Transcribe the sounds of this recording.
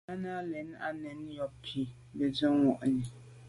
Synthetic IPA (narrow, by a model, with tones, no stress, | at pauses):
a˦na˦lɛ˨n˦a̰˨nɛ̃˨˦n˦jɔ˨b̚pʰi˨ | bɛ˨d͡ʒɛ˦wɔ˨ʔnĩ˨